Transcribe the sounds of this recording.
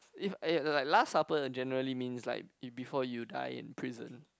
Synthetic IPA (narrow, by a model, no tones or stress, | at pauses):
ifilaɪk̚lasːapəd͡ʒɛnəɹəlimĩnsla̰ɪk̚bifɔjuda̰ɪɪ̰̃npʰɹizə̰̃n